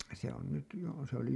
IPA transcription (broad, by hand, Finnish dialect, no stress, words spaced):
se on nyt jo se oli